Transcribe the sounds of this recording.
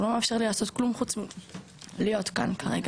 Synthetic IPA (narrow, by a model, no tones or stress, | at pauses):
lo̞meːfʃeʁlilaːso̞t̪klumχut͡smi | lijo̞t̪ka̰nkʰaʁe̞ɡ